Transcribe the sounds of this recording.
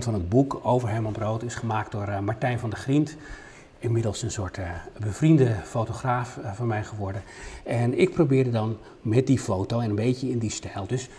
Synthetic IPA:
tfɑnɦəd̚bukowvəɹɦɛjmɑnbrowtɪsχəmaːkdʊːɹmɑɹtɛjnvɑndəχrint | ɪnmɪdəlˠsənsʊːɹtbəvrindəfowtoχraːfvɑnmɛjχəʋɔɹdəɛnɪk̚probɪːɹdədɑn | mɛt̚difowtowɛnənbejcəɪndistɛlˠdɵs

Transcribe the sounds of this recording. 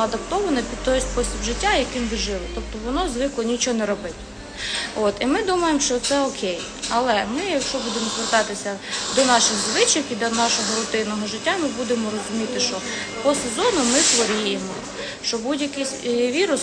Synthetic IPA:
ɐd̪ɐpt̪ɔʋɐnɐpʲid̪t̪ɔjsʲpɔsʲtʲibʒɪtʲːajɐkɪnbɪʒɪʋˠɪt̪ɔp̚t̪ɔʋɔnɔzʋɪklˠɔnʲit͡ʃɔnɛɾɔbɪtʲ | ot̪imɪd̪umɐjemʃt͡ʃɔt̪sɛɔkʰej | ɐlˠɛmɪjɐkʃt͡ʃɔbud̪emɔzʋert̪ɑt̪ɪsʲɐd̪ɔnɑʃɪxʋʊlˠɪt͡ʃɪkid̪ɐnɑʃɔɦɔɾʊt̪ɪnɔɦɔʒɪtʲːamɪbud̪emɔɾɔzʊmʲit̪ɪʃt͡ʃɔ | pɔsezɔnʊmɪxʋɔɾʲijemɔ | ʃt͡ʃɔbudʲjɐkɪsʲʋʲiɾʊs

